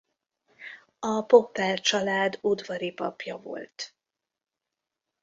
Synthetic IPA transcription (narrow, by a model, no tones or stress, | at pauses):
ɒpo̞pːɛlt͡ʃɒlaːd̪ud̪vɒɾipɒpjɒvo̞̰lt̪